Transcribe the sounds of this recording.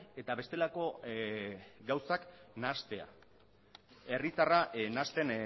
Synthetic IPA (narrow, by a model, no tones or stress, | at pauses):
e̞t̪aβe̞st̪e̞lako̞ | ɡawsaknast̪e̞a̰ | e̞rit̪araʔnast̪e̞n